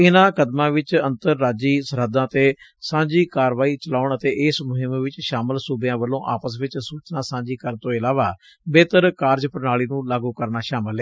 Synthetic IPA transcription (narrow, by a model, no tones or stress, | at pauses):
ɪnãːkəd̪mãːʋɪt͡ʃənt̪əɾːaːd͡ʒiːsəɾəd̪ãːt̪eːsãːd͡ʒiːkaːɾʋaːiːt͡ʃəlaːʊɳət̪eːʔɪsmʊɦɪmʋɪt͡ʃʃaːməlsʊbjãːʋəlːõːʔa̰ːpəsʋɪt͡ʃsuːt͡ʃnaːsãːd͡ʒiːkəɾnt̪õːɪlaːʋaː | beːt̪əɾkaːɾd͡ʒpəɾnaːliːnũːlaːɡuːkəɾnaːʃaːməlɦɛː